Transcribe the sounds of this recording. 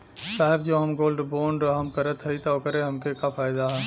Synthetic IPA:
saːɦɪbd͡ʒoːɦɐmɡoːlɖboːɳɖɦɐmkɐɾət̪ɦɐit̪ɐokəɾeɦɐmkekafʰaːɪd̪aɦɛː

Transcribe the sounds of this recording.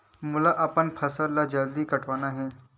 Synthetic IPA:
mʊlaʔɐpənpʰɐsəɾlad͡ʒɐld̪ikɐʈʰʋaːnaɦɛː

